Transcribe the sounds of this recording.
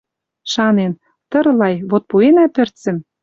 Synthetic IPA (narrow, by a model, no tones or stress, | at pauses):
ʃɑnen | t̪ɤ̆ɾlɑjβot̪̚puenæpɘ̆rt̪t͡sɘ̆m